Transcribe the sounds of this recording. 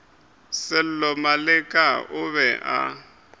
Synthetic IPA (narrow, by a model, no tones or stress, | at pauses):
sɪl̩lɔmalɪkʼaʊβɛʔa̰